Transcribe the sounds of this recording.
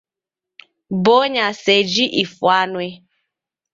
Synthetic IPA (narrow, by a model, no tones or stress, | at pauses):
boɲased͡ʒiʔifuanwe